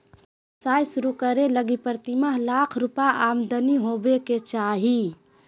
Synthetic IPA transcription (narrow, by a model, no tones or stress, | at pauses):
saːjsʊɾukəɾeləɡipəɾt̪iməɦlaːkʰɾupaʔaːmd̪ʱəniɦobeket͡ʃaːɦi